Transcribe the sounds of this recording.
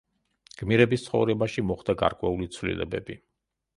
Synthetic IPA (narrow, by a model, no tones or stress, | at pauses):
ɡ̥miɾɛbist̪sʰχɔ̰vɾɛbaʃimɔχd̪aɡa̰ɾkʼwɛulit̪sʰvlḭlɛ̰bɛbi